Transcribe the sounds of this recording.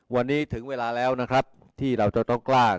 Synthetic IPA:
wa˧nːiː˦˥t̪ʰɯ˩˦ŋweː˧laː˧lɛː˦˥wna˦˥kʰɾa˦˥p̚ | t̪ʰiː˥˩ɾa˧wt͡ɕa˨˩t̪ɔ˥˩ŋklaː˥˩k

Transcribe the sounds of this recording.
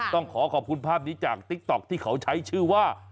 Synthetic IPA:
t̪ɔ˥˩ŋkʰɔː˩˦kʰɔː˨˩p̚kʰu˧npʰaː˥˩p̚niː˦˥t͡ɕaː˨˩k̚t̪i˦˥k̚t̪ɔ˨˩k̚t̪ʰiː˥˩kʰa˩˦wt͡ɕʰa˦˥jt͡ɕʰɯː˥˩waː˥˩

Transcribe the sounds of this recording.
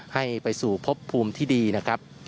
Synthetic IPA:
ha˥˩jpa˧jsuː˨˩pʰo˦˥pʰːuː˧mt̪ʰiː˥˩diː˧na˦˥kʰɾa˦˥p̚

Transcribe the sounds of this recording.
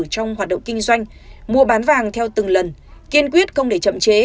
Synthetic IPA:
t͡ɕɔ˧wŋ͡mɦaː˨˩t̚ɗə̰˧˨ŋ͡mkï˧ŋ̟zwa˧jŋ̟mu˧əɓaː˨˦nvaː˨˩ŋt̪ʰɛ˧wt̪ɨ˨˩ŋlə˨˩nki˧ənkwi˦˥ət̚xə˧wŋ͡mɗe˧˩t͡ɕə̰˧˨mt͡ɕe˨˦

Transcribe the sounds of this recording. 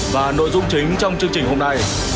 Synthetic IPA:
vaː˨˩no̰˧˨jzʊ˧ŋ͡mt͡ɕï˨˦ŋ̟t͡ɕɔ˧wŋ͡mt͡ɕɨ˧əŋt͡ɕï˨˩ŋ̟ho˧mna˧j

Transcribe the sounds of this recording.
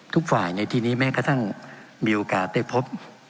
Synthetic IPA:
t̪ʰu˦˥k̚faː˨˩jna˧jt̪ʰiː˧niː˦˥mɛː˦˥kʰa˧˩t̪ʰa˥˩ŋmiː˧ʔoː˧kaː˨˩t̪̚da˥˩pʰo˦˥p̚

